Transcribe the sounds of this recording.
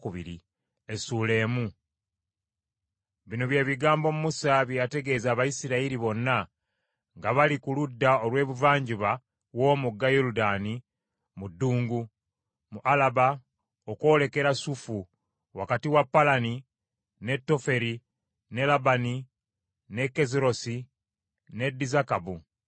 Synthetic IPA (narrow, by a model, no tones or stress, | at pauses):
kuβḭɾḭ | esuːle̞ːmu | βinoβjeːβiɡaːmbo̞mumusaβjjate̞ɡe̞ːzaːβaisiɾaiɾiβo̞nːa | ŋɡaβalikuludːaolwe̞ːβuvaːɲɟiβa | wo̞ːmuɡːajoɾudaːni | mudːuːŋɡu | muʔalaba | okwo̞ːle̞ke̞ɾasufu | wakatiwapːalani | ne̞tːo̞fe̞ɾi | ne̞labani | ne̞kːe̞ziɾo̞si | ne̞dizakabu